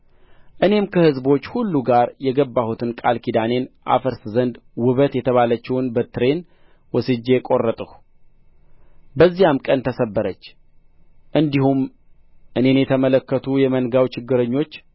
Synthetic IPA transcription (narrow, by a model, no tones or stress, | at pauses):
ʔɨne̞mkʰəhɨzbo̞t͡ʃːhulːuɡaɾjɛɡəbːahut̪ʰɨnkʼalkʰid̪ane̞nʔa̰fəɾszənd̪wɨβət̪jɛt̪ʰəβalət͡ʃːɛwnbət̪ɾe̞n | wɔsɨd͡ʒːe̞kʼo̞rːət̪ʼəh | bəzːijamkʼənt̪ʰəsəbːəɾət͡ʃː | ʔɨnd̪ihum | ʔɨne̞njɛt̪ʰəmələkːət̪ʰujɛmənɡawt͡ʃɪɡːɨɾəɲːo̞t͡ʃː